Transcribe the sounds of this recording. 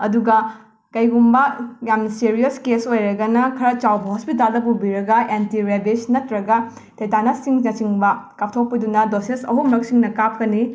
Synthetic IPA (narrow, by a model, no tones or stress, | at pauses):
ɐduɡɐ | kɐjɡumbɐjamnɐsiɾiɐskesojɾɐɡɐnɐkʰɐɾɐt͡ʃawbɐɦɔspitaldɐbubiɾɐɡɐentiɾebid͡ʒnɐtɾɐɡɐ | tʰejtanɐsiŋnɐt͡ʃiŋbɐkɐp̚tʰok̚pidunɐdosesɐ̰ɦumɾɐk̚siŋnɐkap̚kɐni